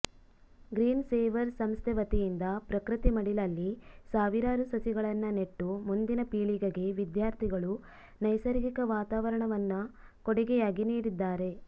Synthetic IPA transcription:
ɡɾiːnseːʋɐɾsɐmst̪ʰɛʋɐt̪ijind̪ɐpɾɐkɾit̪imɐɽilɐlːisaːʋiɾaːɾusɐsiɡɐɭɐnːɐneʈːumund̪inɐpiːɭiɡɐɡe̞ʋid̪jaːɾt̪ʰiɡɐɭu | nɐjsɐɾɡikɐʋaːt̪aːʋɐɾɐɳɐʋɐnːɐ | koɽiɡɛjaːɡiniːɽid̪ːaːɾe̞

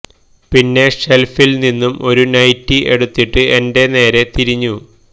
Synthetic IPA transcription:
pinːe̞ʂe̞lfilninːumo̞ɾunɐjtːie̞ɽut̪ːiʈːɨe̞nde̞ne̞ːɾe̞t̪iɾiɲːu

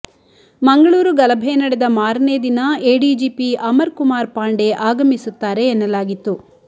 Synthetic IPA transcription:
mɐŋɡɐɭuːɾuɡɐlɐbʱɛnɐɽed̪ɐmaːɾne̞ːd̪inɐeːɖiːd͡ʒipiʔɐmɐɾkumaːɾpaːɳɖe̞ʔaːɡɐmisut̪ːaːɾe̞ːnːɐlaːɡit̪ːu

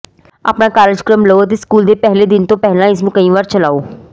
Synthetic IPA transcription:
a̰ːpnãːkaːɾɪd͡ʒkɾəmləoːət̪eːskuːld̪eːpɛɦleːd̪ɪnt̪õːpɛɦlãːɪsmũːkəĩːʋaːɾt͡ʃəlaːoː

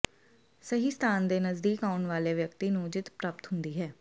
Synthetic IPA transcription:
səɦiːst̪ʰaːnd̪eːnəzd̪iːkaːʊnʋaːleːʋjək̚t̪iːnũːd͡ʒɪt̪pɾaːp̚t̪ɦʊnd̪iːɦɛː

